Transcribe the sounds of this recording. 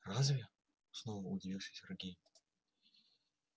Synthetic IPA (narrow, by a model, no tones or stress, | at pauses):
razvʲɪə | snovəʊdʲɪvʲilˠʂʲɪ̥sʲɪrɡʲejɪ